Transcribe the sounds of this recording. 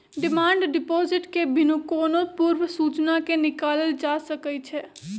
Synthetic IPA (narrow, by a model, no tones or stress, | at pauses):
ɖimaɳɖɖipozɪʈkebʱinukoːnopuɾʋəsut͡ʃnakenɪkaləld͡ʒasəkɛt͡ʃʰɛ